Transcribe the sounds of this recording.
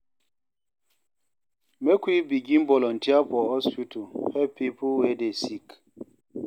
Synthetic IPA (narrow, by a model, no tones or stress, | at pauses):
mekʷwibiɡimbɔlɔntiapɔɔsfutʰuhɛpipʰuwedesik